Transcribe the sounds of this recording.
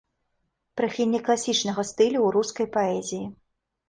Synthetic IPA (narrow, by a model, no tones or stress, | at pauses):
pɾɐxʲilʲnʲiklˠasʲit͡ʂnɐɣɐst̪ɨlʲuwɾuskɐjpaɛzʲiji